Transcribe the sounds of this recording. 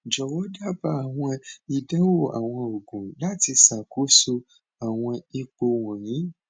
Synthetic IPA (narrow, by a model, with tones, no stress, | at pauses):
d͡ʒɔ˨wɔ˦da˦ba˦a˨w̃ɔ̃˧i˨da˦wo˦˨a̰˨w̃ɔ̃˧o˨ɡũ˨la˦ti˧sa˨ko˨˦su˧ | a˨w̃ɔ̃˧i˧k͡po˧wɔ̃˨jĩ˨˦